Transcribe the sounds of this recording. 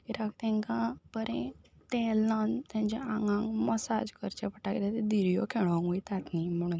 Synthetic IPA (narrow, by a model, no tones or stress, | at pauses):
iɾakt̪ɛ̃ŋkãbəɾɛ̃ | t̪ɛlãnt̪ãɲt͡ɕɛ̃ãŋɡãŋɡməsa̰d͡ʑkəɾt͡ɕɛpəʈakit̪at̪ed̪iɾijɔ̰kʰeɽʋãŋuit̪at̪nim̤əɽ̃un